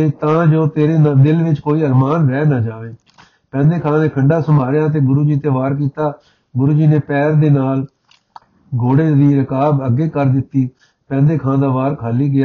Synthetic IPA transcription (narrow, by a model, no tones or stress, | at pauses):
t̪eːt̪ãːd͡ʒoːt̪eːɾeːd̪ɪlʋɪt͡ʃkoːiːəɾmaːnɾɛːnaːd͡ʒaːʋeː | pɛ̃ːnd̪eːkʰãːneːkʰəɳɖaːsəmaːɾɪjaːt̪̬eːɡʊɾuːd͡ʒiːt̪eːʋaːɾk̬iːt̪aː | ɡʊɾuːd͡ʒiːneːpɛːɾd̪eːnaːl | ɡoːɽeːd̪iːɾəkaːbəɡːeːkəɾd̪ɪt̪ːiː | pɛ̃ːnd̪eːkʰãːd̪aːʋaːɾkʰaːliːɡɪjaː